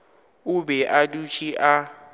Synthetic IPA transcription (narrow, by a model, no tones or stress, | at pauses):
ʊbɛʔadut͡ʃʰʼiʔa